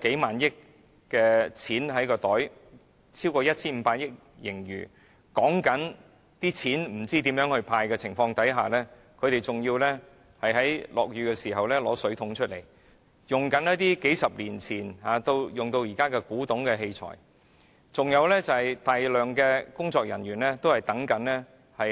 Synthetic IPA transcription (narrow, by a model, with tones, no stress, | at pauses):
ke˨˥jmaː˨njɪ˥k̚ | kɛː˧t͡sʰiː˨˥nɦɐ˨˥jkɔː˧t̪ɔː˨˥j | t͡sʰiː˥wkɔː˧jɐ˥t̚t͡sʰiː˥nm̩˨˧paː˧t̚jɪ˥k̚ | jɪ˨˩ŋɥy̰ː˨˩ | kɔː˨˥ŋkɐ˨˥n | t̪iː˥t͡sʰiː˨˥nm̩˨˩t͡siː˥t̪̬iː˨˥mjœː˨˥ŋhɵ˧ɥpʰaː˧jkɛː˧t͡sʰɪ˨˩ŋfɔː˧ŋt̪ɐ˨˥jɦa̰ː˨lɛː˥ | kʰɵ˨˧ɥɾe˨jt͡sʊ˨ŋjiː˧wlɛː˥ | hɐ˨jɦɐ˨˥jlɔ̰ː˨k̚ɥyː˨˧kɛ˧siː˨˩ɦɐ˨wlɛː˥lɔ̰ː˨˥sɵ˨˥ɥt̪ʰʊ˨˧˥ŋt͡ʃʰɵ˥t̚lḛ˨˩j | jʊ˨˩ŋkɐ˨˥njɐ˥t̚t̪iː˥ke˨˥jsɐ˨p̚liː˨˩nt͡sʰiː˨˩nhaː˨˧t̪o˧wjʊ˨ŋt̪o˧wjiː˨˩kaː˥kɛ˧kuː˨˥t̪ʊ˨˧˥ŋkɛː˧ɦe˧jt͡sʰɔ̰ː˨˩j | t͡sʊ˨ŋjɐ˨˧wlɛː˥t͡sɐ˨hɐ˨jt̪aː˨jlœː˨ŋkɛː˧kʊ˥ŋt͡sɔː˧k̚jɐ˨˩nɥyː˨˩nlɛː˥t̪o˥whɐ˨˩jt̪ɐ˨˥ŋkɐ˨˥nlɛː˥ | hɐ˨